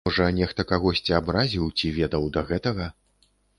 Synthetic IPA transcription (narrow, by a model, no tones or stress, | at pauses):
ɔʐɐnʲɛxt̪ɐkaɣɔsʲt͡sʲiabɾazʲiwt͡sʲivʲɛd̪ɐwd̪ɐɣɛt̪ɐɣɐ